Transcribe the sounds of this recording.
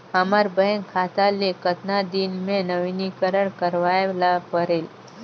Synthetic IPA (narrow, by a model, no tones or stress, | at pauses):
əmaɾbəɦənkʰat̪alekət̪nad̪inmẽnəʋinikəɾəɳkəɾʋajlapəɾel